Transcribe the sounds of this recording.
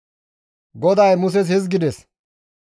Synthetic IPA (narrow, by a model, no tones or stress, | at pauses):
ɡɔd̪ɐjmʊs̬ɛs̬hɛs̬ɡɪd̪ɛs